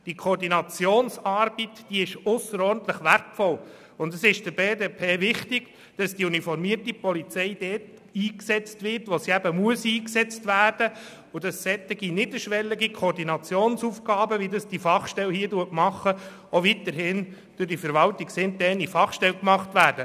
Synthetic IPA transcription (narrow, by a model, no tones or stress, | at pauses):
d̥ikʰoːɾdinɑt͡sjoːnsɑɾb̥itd̥iɪʃʊsːəɾɔɾn̩t̪ləχʋærtfɔl | ʊndəsɪʃd̥əbeːdepʰeːʋɪχtɪɡ̥ | d̥ɑsd̥iunifɔɾmiərtipɔlit͡sɛɪd̥ɛːt | iːksɛt͡stʋɪɾtʋosiæbəmuəsiːksɛt͡stʋæːrd̥ə | ʊd̥ɑsːɛt̪ɪɡinɪdəʃʋɛlːɪɡikʰoːɾdinɑt͡sjoːnsufɡɑːbəʋidɑsd̥ifɑχʃtɛlhiːəduətmɑχːə | ovitəɾɦɪn | d̥ʊɾdifəɾʋɑltiksɪntdɛnifɑχʃtɛlkmɑχtʋæːɾd̥ə